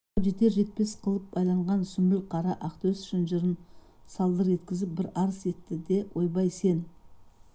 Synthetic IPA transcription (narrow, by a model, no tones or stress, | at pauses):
ʒet̪e̞ɾʒe̞t̪̚pe̞sqʰəlˠəp̚bɑjlˠɑɴʁɑnsʏmbɪlqʰɑɾɑʔɑqt̪ɵsʏ̥ʃɪnʒɪɾɪnsɑlˠd̪əɾʒe̞t̪kʲɪzɪp̚bɪɾɑɾəse̞t̪ːɪd̪e̞wʔo̞jbɑjse̞n